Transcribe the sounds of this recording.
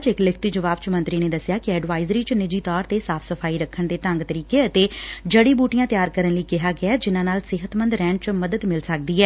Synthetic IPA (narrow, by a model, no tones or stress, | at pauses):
t͡ʃɪklɪkʰt̪iːd͡ʒəʋaːb̚t͡ʃəmə̃nt̪ɾiːneːd̪əsjaːkɪɛːɖʋaːɪzɾiːt͡ʃnɪd͡ʒiːt̪ɔːɾt̪eːsaːpʰsəpʰaːiːɾəkʰːəɳd̪eːʈəŋɡt̪əɾiːkeːət̪eːd͡ʒəɽiːbuːʈɪjãːt̪ɪjaːɾkəɾənləikɪɦaːɡɪaːd͡ʒɪnãːnaːlsɪɦət̪mənd̪ɾɛ̃ːɳt͡ʃməd̪əd̪mɪlsək̚d̪iːɦɛː